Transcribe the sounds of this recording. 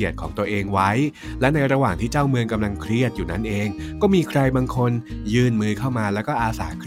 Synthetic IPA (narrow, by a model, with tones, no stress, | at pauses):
i˨˩ət̪̚kʰɔː˩˦ŋt̪u˧ɐʔeː˧ŋwa˦˥j | lɛ˦˥na˧jɾa˧waː˨˩ŋt̪ʰiː˥˩t͡ɕaː˥˩wmɯ˧ŋka˧mla˧ŋkʰɾi˥˩ət̪̚juː˨˩na˦˥nʔeː˧ŋ | kɔː˥˩miː˧kʰɾa˧jbaː˧ŋkʰo˧njɯː˧nmɯː˦˧kʰa˥˩wmaː˧lɛː˦˥wkɔː˥˩ʔaː˧sa̰ː˩˦kʰ